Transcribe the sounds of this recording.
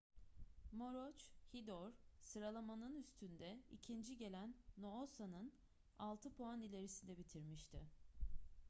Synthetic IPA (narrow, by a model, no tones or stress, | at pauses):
mo̞ɾot͡ʃhid̪oɾ̥sɯɾalˠamanɯnyst̪ʰynd̪ɛḭcʰind͡ʒiɟe̞lʲænːoosanɯn | alˠt̪ʰɯpʰoanilʲe̞ɾisind̪ɛbit̪ʰiɾmiʃt̪ʰɪ